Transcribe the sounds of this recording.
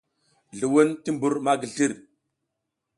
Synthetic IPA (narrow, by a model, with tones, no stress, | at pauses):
ɮu˨wu˦nti˦mbu˨ɾma˦ɡi˨ɮi˦˨ɾ